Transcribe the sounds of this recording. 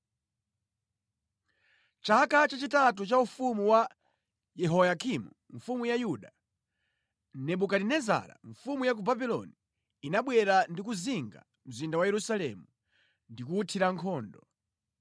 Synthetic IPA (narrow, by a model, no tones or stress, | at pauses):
t͡ʃaakat͡ʃat͡ʃitatut͡ʃaufumuwa | jɛɦɔjakʰimṵ | ɱfumujajuɗa | nɛɓukadinɛza̰ɾa̰ɱfumujak̬ubabilɔ̰niː | naɓwɛɾandik̬uziŋɡa̰ | m̩zindawajɛɾusalɛ̰mu | ndikutʰiɾaŋkʰɔːndɔ